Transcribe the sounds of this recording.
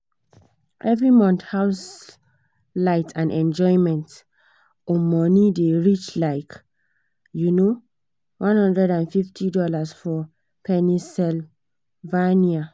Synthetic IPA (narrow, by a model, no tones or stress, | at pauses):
ʔɛvɹimɔ̃nthaʊs | laɪtʰãnʔɛ̃nd͡ʒɔɪmɛ̃nt | ɔmɔnideɹit͡ʃlaɪk | juno | wʔãnhɔ̃ndɹɛdãnfiftʰidɔlasfɔ | pʰɛnisɛl | vania